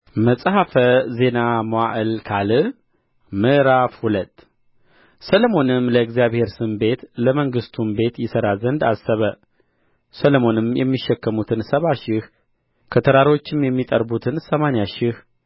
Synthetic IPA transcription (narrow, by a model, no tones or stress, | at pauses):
məsʼhafəze̞namoaʔɨlkʰalɨ | mɨʔɾafhulət̪ː | səlomo̞nɨmləɨɡzijaβhe̞ɾsɨmbe̞t̪ləməŋɡɨst̪ʰumbe̞t̪jɪsəɾazənd̪a̰sːəβə | səlomo̞nɨmjɛmːiʃːɛkːəmut̪ʰɨnsəβaʃɪh | kʰət̪ʰəɾaɾo̞t͡ʃːɪmjɛmːit̪ʼəɾbut̪ʰɨnsəmanjaʃɪh